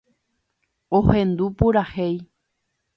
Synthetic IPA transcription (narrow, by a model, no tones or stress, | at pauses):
ohẽ̞nd̪upuɾahej